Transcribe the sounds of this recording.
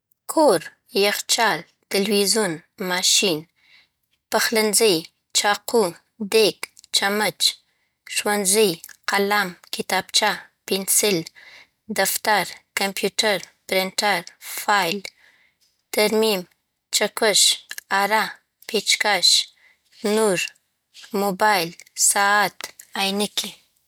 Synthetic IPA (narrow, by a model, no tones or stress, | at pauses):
kʰoɾ | jaxt͡ʃɑl | t̪ɪlwizunmɑʃin | paxlanzəj | t͡ʃɑqu | d̪ekt͡ʃamət͡ʃ | ʃwanzəjqalamkɪt̪ɑb̚t͡ʃa | pɪnsɪl | d̪aft̪aɾkampʰjuʈaɾ | pɾɪɳʈaɾfɑjl | t̪aɾmim | t͡ʃakəʃaɾa | pet͡ʃkaʃ | nuɾ | mobɑjlsɑat̪ajnəkʰi